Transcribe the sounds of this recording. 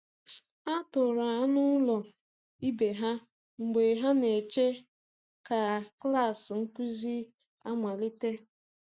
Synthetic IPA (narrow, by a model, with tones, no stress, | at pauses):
a˦tʊ˨ɾa˨a˦nʊ˦lɔ˨ | i˦be˨ɦa˦ | ŋ͡m̩˨ɡ͡be˨ɦa˦ne˨t͡ʃe˦ | ka˨kla˦˨sŋ̩˦ku˦zi˦a˦mʷa˨lɪ˦te˦